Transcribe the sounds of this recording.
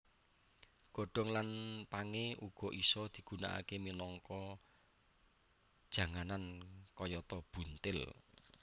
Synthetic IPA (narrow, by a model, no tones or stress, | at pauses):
ɡ̥ɔ̤ɖ̥ɔ̤ŋlanpaŋeʔuɡ̥ɔ̤ʔisɔd̪̥i̤ɡ̥ṳna̰ʔa̰keminɔŋkɔ | d̥ʒ̥ä̤ŋanankɔjɔt̪ɔb̥ṳnt̪ɪl